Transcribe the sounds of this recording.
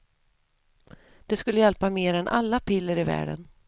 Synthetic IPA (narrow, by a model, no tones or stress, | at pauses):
d̪̥ɛskɵlːəjɛlpameːɾɛnʔa̰lːapʰɪlːəɾɪvæ̰ːɖə̰n